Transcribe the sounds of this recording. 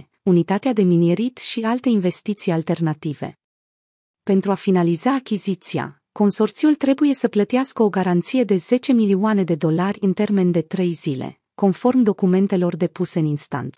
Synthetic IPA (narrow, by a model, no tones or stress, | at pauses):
unit̪at̪ead̪e̞minjeɾit̪ʃialt̪e̞inve̞st̪it̪sijalt̪e̞rnat̪ive̞̰ | pe̞nt̪ɾuafinalizaːkʲizit̪sia̰ | ko̞nso̞rt̪sijult̪ɾe̞buje̞səplət̪iaskəo̞ɡaɾant̪sije̞d̪e̞ze̞t͡ʃe̞milioane̞d̪e̞d̪o̞larʲɨnt̪e̞rme̞nd̪e̞t̪ɾe̞jzile̞̰ | ko̞nfo̞rmd̪o̞kume̞nt̪e̞lo̞rd̪e̞puse̞ɨninst̪a̰nt̪s